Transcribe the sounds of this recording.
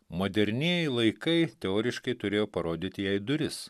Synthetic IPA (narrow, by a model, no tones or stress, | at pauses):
moːd̪ʲɛɾʲnʲiɛjɛlˠɐɪkɐɪt̪ʲɛoːɾʲɪʃkɐɪt̪ʊɾʲeːjoːpɐɾoːd̪ʲit̪ʲɪjɛɪd̪ʊɾʲɪs